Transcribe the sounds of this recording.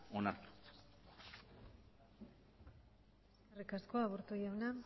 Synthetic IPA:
onaɾt̪u̥ | erikaskoaβoɾt̪ujana

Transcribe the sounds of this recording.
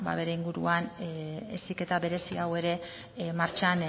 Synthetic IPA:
ba̰βe̞ɾe̞iŋɡuɾuanḛsike̞t̪aβe̞ɾe̞siawe̞ɾe̞ | maɾt͡ʃan

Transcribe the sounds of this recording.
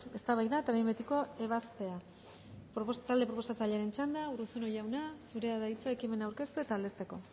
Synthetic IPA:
e̞st̪aβajðaet̪aβejmbet̪iko̞e̞β̞aspe̞a | pɾoost̪ald̪e̞pɾopo̞sat͡saʎeaɾe̞nt͡ʃand̪aurusunojawnasuɾe̞aðajt͡sae̞kime̞nawɾke̞st̪ue̞t̪aːld̪e̞st̪e̞ko̞

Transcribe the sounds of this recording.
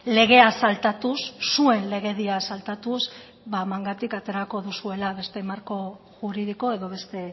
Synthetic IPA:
le̞ɣ̞e̞asalt̪at̪usːue̞nle̞ɣ̞e̞ðiasalt̪at̪uz | bamaŋɡat̪ikat̪e̞ɾako̞ðusue̞laβe̞st̪e̞maɾko̞ | ʝuɾiðiko̞e̞ðo̞β̞e̞st̪e̞

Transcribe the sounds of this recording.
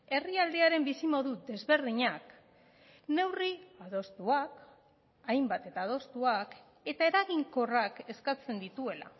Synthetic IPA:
e̞riald̪eaɾe̞mbisimo̞ðuðe̞zβe̞ɾðiɲak | ne̞wriaðo̞st̪uak | ajmbat̪e̞t̪aːðo̞st̪uak | e̞t̪ae̞ɾaɣiŋko̞rake̞skat͡se̞nd̪it̪ue̞la̰

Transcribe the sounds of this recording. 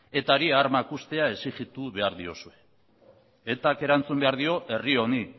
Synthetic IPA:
e̞t̪aɾiaɾmakust̪e̞ae̞siʝit̪uβe̞aɾðio̞sue̞ | et̪ake̞ɾant͡sumbe̞aɾðio̞ʔe̞rio̞ni

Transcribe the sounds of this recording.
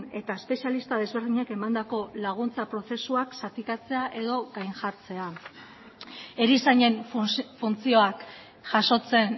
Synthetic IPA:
ne̞t̪aespe̞sialist̪að̞e̞zβe̞ɾðiɲake̞mand̪ako̞laɣ̞unt͡sapɾo̞θe̞suaksat̪ikat͡se̞aʔe̞ðo̞ɣajnʝaɾt͡se̞a | e̞ɾisaɲe̞ɱfunt͡sio̞ak | ʝaso̞t͡se̞n

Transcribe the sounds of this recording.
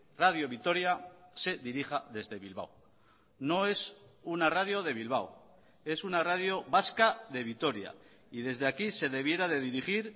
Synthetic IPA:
raðjo̞βit̪o̞ɾjase̞ðiɾiχaðe̞zðe̞βilβ̞a̰w | no̞e̞sunaraðjo̞ðe̞β̞ilβ̞aw | e̞sunaraðjo̞βaskaðe̞βit̪o̞ɾja̰ | iðe̞zðeakise̞ðe̞β̞je̞ɾaðe̞ðiɾiχiɾ

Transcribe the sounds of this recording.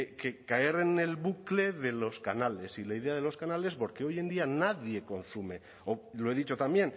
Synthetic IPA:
kekae̞ɾene̞lβukle̞ðe̞lo̞skanale̞silaiðe̞aðe̞lo̞skanale̞spo̞ɾkeo̞je̞nd̪ianaðje̞ko̞nsume̞ | olo̞e̞ðit͡ʃo̞t̪ambje̞n

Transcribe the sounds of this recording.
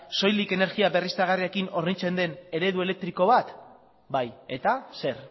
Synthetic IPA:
so̞jlike̞ne̞ɾɣiaβe̞rist̪aɣariekino̞ɾnit͡se̞nd̪e̞ne̞ɾe̞ðue̞le̞k̚t̪ɾiko̞βat̪ | baje̞t̪ase̞ɾ

